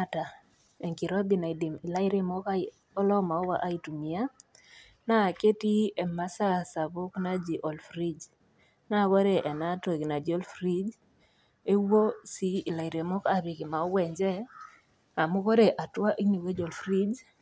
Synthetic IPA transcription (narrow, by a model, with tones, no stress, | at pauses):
a˦ta˨ | e˨ŋki˨ɾɔ˦d̪i˨na˨i˨di˨mi˨la˦i˦ɾe˦mɔ˦ka˦ | ɔ˦lɔ˦ma˨ɔ˦wa˦ʔa˦i˨tu˨mi˨a˦ | na˦˨ke˦ti˦ɛ˨ma˦sa˦sa˨bʊ˦kna˦d͡ʒi˨ʔo˨lfɾi˦d͡ʒ | na˦ko˦ɾe˦˨ʔɛ˨na˦to˨ɡi˨na˨d͡ʒo˦lfɾi˦d͡ʒ | e˦wo˦siː˦˨la˨i˨ɾe˨mɔ˦ka˨βɪ˨kɪ˨ma˨ɔ˦wɛ˨ɲd͡ʒɛ˦ | a˨mʊ˦ko˦ɾe˨ʔa˨twa˦ʔi˦ni˨we˦d͡ʒo˨lfɾi˦d͡ʒ